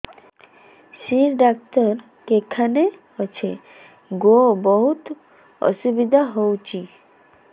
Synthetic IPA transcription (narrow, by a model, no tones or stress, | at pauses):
ʃiɾɖak̚t̪aɾ | kekʰane | ot͡ɕʰe | ɡobɔɦut̪ | ɔ̰ʃubid̪ʱaɦowt͡ɕʰi